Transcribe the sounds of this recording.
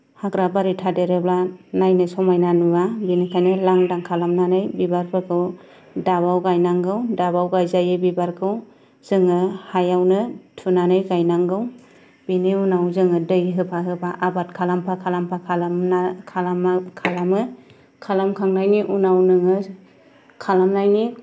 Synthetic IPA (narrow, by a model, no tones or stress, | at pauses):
hakɾabaɾitʰadeɾeblanajnɯsɔmajnanuwabinɯkʰajnɯlaŋdaŋkʰalamnanɯjbibaɾpʰɯkʰɯw | daβawɡajnaŋɡɯwdabawɡajzajɯbibaɾkʰɯw | z̥ɯŋɯhajawnɯtʰunanɯjɡajnaŋɡɯw | b̥iniunawzɯŋɯdɯjɦɯpʰaɦɯpʰaʔabatkʰalampʰakʰalampʰakʰalamakʰalamkʰalamɯ | kʰalamkʰaŋnajniʔunawnɯŋɯ | kʰalamnajni